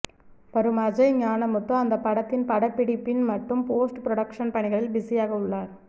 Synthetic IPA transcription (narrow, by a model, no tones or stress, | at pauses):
ʋɐɾɯmɐd͡ʒɐɪɲaːnɐmʊt̪ːɐ̃ɐnd̪ɐpːɐɽɐt̪ːɪnpɐɽɐpːɪɽɪpːɪnmɐʈːɯmpoːsʈpɪɾɔɽɐkʂɐnpɐɳɪɣɐɭɪlbɪsijaːɣɐʊɭːaːɾ